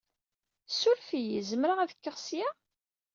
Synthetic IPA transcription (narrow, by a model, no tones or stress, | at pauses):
sʊɾfijəzəmɾaʁæðəkːəʁsja